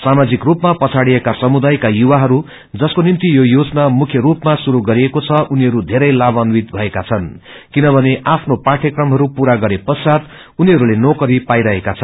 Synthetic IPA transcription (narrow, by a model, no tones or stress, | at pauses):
samad͡zikrupmapʌt͡sʰaɽijekasʌmud̪ajkajuwaɦʌɾu | d͡zʌskonimt̪ijojod͡znamukʰjʌɾupmasuɾuɡʌɾiekot͡sʰʌʔuniɦʌɾud̪ʱeɾʌjlabʌnwit̪̚bʱʌekat͡sʰʌn | kinʌbʱʌneʔapʰnopaʈʰekrʌmɦʌɾupuɾaɡʌɾepʌsad̪ | uniɦʌɾulenokʌɾipajɾʌɦekat͡sʰʌn